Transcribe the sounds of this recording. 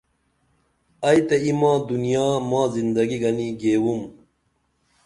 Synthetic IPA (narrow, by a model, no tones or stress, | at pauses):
ɐjt̪ɐimãːd̪unijaːmãːzind̪ɐɡiɡɐniɡeːwum